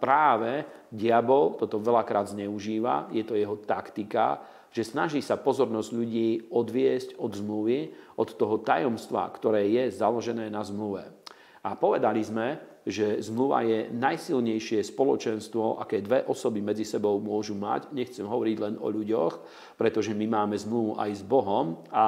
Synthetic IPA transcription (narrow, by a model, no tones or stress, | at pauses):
pɾaːʋɛɟɪabɔlt̪ɔt̪ɔʋɛlakɾaːd̪zɲɛuʒiːʋa̰jɛt̪ɔjɛɦɔt̪akt̪ika̰ | ʒ̥ɛsnaʒiːsapɔzɔɾnɔzɟʎuɟiːɔd̪ʋɪɛscɔd̪zmluʋiɔt̪ːɔɦɔt̪ajɔmst̪ʋa̰kt̪ɔɾɛːjɛzalɔʒɛnɛːnazmluʋɛ̰ | apɔʋɛd̪alizmɛ | ʒɛzmluʋa̰jɛnajsilɲɛjʃɪɛspɔlɔt͡ʃɛnst̪ʋɔʔa̰kɛːd̪ʋɛʔɔsɔbimɛd͡zisɛbɔʊmʊɔʒuma̰cɲɛxt͡sɛmɦɔʋɔɾiɟlɛnɔ̰ʎuɟɔx | pɾɛt̪ɔʒɛmimaːmɛzmluʋuʔa̰jzbɔɦɔma